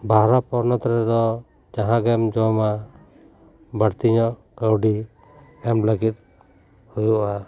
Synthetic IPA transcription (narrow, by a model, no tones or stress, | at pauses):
bʱaɾɔpɔɾnɔt̪ɾɛɾɔ | d͡ʒaɦãɡɛmd͡ʒɔma | bəɽt̪iɲɔʔ | ɡawɖi | ɛmləɡit̪̚ | hujuʔa